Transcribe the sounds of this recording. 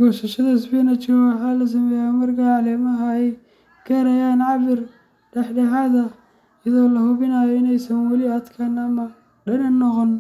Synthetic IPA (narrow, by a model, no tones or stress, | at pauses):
ɡɔːʃɐʃɐðɐɪsbiːnɐt͡ʃɪɾwɑħɑːlɐs̬ɐmɛːjaːmɐrkʰaʕɑlɛːmɐɦɐɛj | kʰɐɾɐjaːnʕɑβɪr | ɖɛħɖɐɦaðɐ | jɐðɔːlɐhʊβɪnɐjɔɪnɛjsɐnwɑlɪɐd̪kʰɐnɐmɐ | ɖɐnɐnːɔqɔn